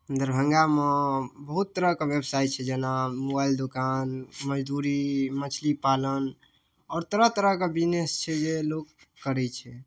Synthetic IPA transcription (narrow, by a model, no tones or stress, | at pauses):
ənd̪əɾbʱəŋɡamebəɦut̪ːəɾəkebebsaj̪̚t͡ʃʰɛd͡ʒenamobaild̪okanməd͡ʒd̪uɾimət͡ʃʰlipalən | ɔːɾt̪əɾəɦt̪əɾəɦkebinest͡ʃʰɛd͡ʒelokː | əɾɛt͡ʃʰɛ